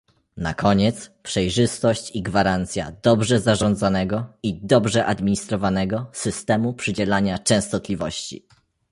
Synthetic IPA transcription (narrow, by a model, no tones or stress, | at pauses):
na̰kʰɔɲɛt̪spʂɛjʐɘst̪ɔɕt͡ɕiɡvaɾant̪sʲja̰d̪ɔbʐɛzaʐɔ̃nd̪zanɛɡɔid̪ɔbʐɛʔad̪mʲiɲist̪ɾɔvanɛɡɔsɘst̪ɛmupʂɘd͡ʑɛlaɲat͡ʂɛ̃w̃st̪ɔt̪lʲivɔɕt͡ɕḭ